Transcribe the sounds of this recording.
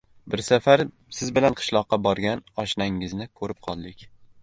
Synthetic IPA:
bɪɾsafaɾ | sɪzbɪlanqʰɨ̥ʃlˠɒqːɑbɒɾɡʲanɒʃnaŋːɪznɪkʰɵɾɪp̚qʰɒlˠd̪ɪkʲ

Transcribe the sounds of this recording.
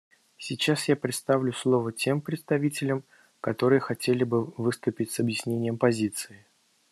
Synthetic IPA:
sʲɪt͡ɕasjapɾʲɪt̪st̪avlʲʊslˠo̞vətʲe̞mpɾʲɪt̪st̪ɐvʲitʲɪlʲəm | kɐt̪o̞ɾɨjəxɐtʲelʲɪbɨvɨst̪ʊpʲɪtʲsɐbjɪsʲnʲenʲɪjəmpɐzʲit̪sɨɪ

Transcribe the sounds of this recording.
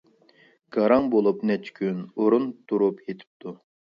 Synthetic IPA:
ɡ̥ɑɾɑŋbolˠupnɛt͡ʃʰkʲʰynoɾunt̪ʰuɾupjet̪ʰi̥p̚t̪ʰu

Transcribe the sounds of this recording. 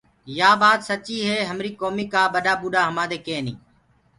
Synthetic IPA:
jaːbaːt̪sət͡ʃiːɦeːɦəmɾiːkoːmiːkaːbəɗaːbuːɗaːɦəmaːd̪eːkẽːnĩː

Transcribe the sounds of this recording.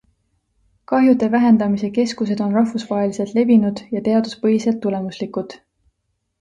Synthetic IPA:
kɑɦjut̪e̞væɦe̞nd̪̥ɑmise̞ke̞skus̬e̞d̪̥o̞nrɑɦfusvɑɦe̞lise̞lt̪le̞vinud̪̥jɑt̪e̞ɑd̪̥uspɤɦise̞lt̪ːule̞muslikˑut̪

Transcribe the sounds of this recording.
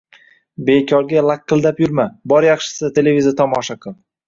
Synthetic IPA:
be̞kʲʰɒɾɡʲalˠakʲːɨlˠd̪apjʊɾmabɒɾjɑχʃɪ̥sɪt̪ʰe̞levʲizat̪ʰɒmɒʃaqʰʊlˠ

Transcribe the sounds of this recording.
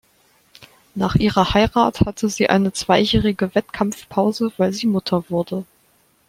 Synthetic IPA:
naːχʔiːʁɐhaɪʁaːthatʰəziːʔa̰ɪnət͡sv̥aɪjɛːʁɪɡəvɛtkʰamfpʰaʊzəv̥aɪlziːmʊtʰɐvʊɐdə

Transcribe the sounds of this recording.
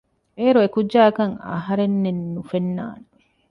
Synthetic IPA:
eːɾuekud͡ʒd͡ʒaːkɐŋɐ̰ɦɐɾenːenːufenːa̰ːn

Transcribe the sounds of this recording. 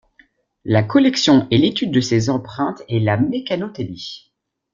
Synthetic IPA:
lakɔlɛksjɔ̃ʔelet̪yd̪̚ːəsezɑ̃pχɛ̃t̪elamekanot̪eli

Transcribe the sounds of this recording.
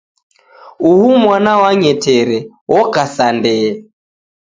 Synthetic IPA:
uhumwanawaɲɛtʰɛɾɛ | wɔkasandɛː

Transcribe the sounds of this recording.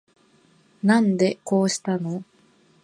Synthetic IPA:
nãnd̪e̞ko̞ːɕi̥t̪ano̞

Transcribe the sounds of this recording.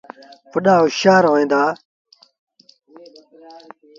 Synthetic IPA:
pəɗaːuɕaːɾoːẽːnd̪aː

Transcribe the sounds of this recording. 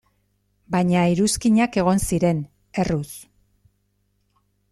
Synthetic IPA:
baɲaiɾuskiɲake̞ɣ̞o̞nsiɾe̞n | e̞rus

